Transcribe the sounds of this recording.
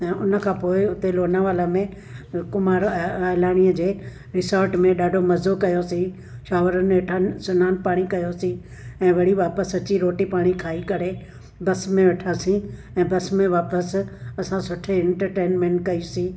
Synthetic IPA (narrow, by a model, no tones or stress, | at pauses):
ɛ̃ːʊnəkʰãːpoːɪʊt̪eloːnaʋaːləmẽ | kʊmaːɾalaːɽ̃ijəd͡ʑeː | ɾɪsəɾʈmẽɗaːɖʱomɐzokɐjosĩ | ʃaːʋəɾənʋeʈʰansʊnaːnpaːɽ̃ikɐjosĩ | ɛ̃ːʋɐɽiʋaːpəsɐt͡ɕiɾoːʈipaːɽ̃ikʰaːikɐɾe | bɐsmẽʋeʈʰasĩ | ɛ̃ːbɐsmẽʋaːpəsɐsãsʊʈʰeɛ̃ɳʈəɾʈeːnmẽːɳʈkɐisĩː